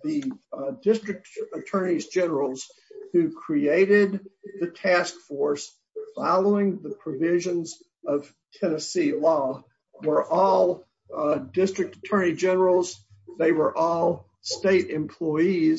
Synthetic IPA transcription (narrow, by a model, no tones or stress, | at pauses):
ðɨdɪstɹ̥ɨk̚tətʰɜ̃˞nizd͡ʒɛnə˞l̩ˠz̥ | hʉkʰɹ̥ieɪɾɪd̪̚ðɨtʰæskfɔɹs | fɑlˠoʊɪ̃ŋðɨpʰɹ̥ɨvɪʒɨ̃nz | ʌv̥ | tʰɛnɨsilɔ | wə˞ʔɔlˠ | dɪstɹ̥ɨk̚tətʰɜ̃˞nid͡ʒɛnə˞l̩ˠz | ðeɪwə˞ʔɔlˠ | steɪɾɨ̃mpʰl̥ɔɪiz